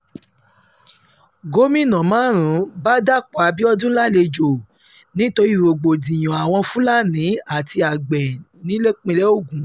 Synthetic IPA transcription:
ɡo˦mĩ˦˨nã˨mãː˨˦ɾ̃ũ˨˦ba˦da˦˨k͡pbi˦ɔ˧dũ˦la˦˨le˧d͡ʒo˨ | nĩ˦to˧ɾi˦˨wo˨ɡ͡bo˨dĩ˨j̃ɔ̃˨a˨w̃ɔ̃˧fũ˦la˦nĩ˨˦a˦˨ti˧a˨ɡ͡bɛ˨nĩ˨˦le˦k͡pẽ˧lɛ˦o˦˨ɡũ˨˦

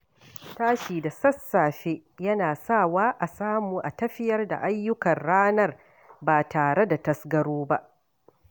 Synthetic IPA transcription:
taː˦ʃiː˨da˨sɐ˦sːaː˨ɸeː˦jɐ˦naː˨saː˦˨waː˦ʔa˨saː˦muː˨ʔa˨tɐ˦ɸɪ˦jɐ˦rda̰˨ʔa˦jːʊ˦kɐ˨rɽaː˦nɐ˦r | baː˨taː˨ɽe˦da˨tɐ˨sɡɐ˦ɽoː˦ba˦ʔ

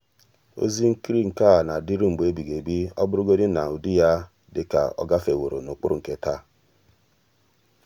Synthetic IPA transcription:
o̰˦zi˦ŋ̩˦ki˦ɾi˦ŋ̩˨ka˦˨na˨di˦ɾu˦ŋ͡m̩˨be˦bi˨ɡe˨bi˦ɔ˦bʊ˦ɾu˦ɡo˦dɪ˦na˨u˨di˦ja˦ | dɪ˨ka̰˨ɔ̰˦ɡa˦fe˨wo˨ɾo̰˨no˨k͡pʊ˦ɾʊ˨ŋ̩˨ke˦ta˦

